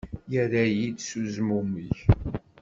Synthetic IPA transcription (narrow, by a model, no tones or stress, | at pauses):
jəɾæjid̪suzmumiç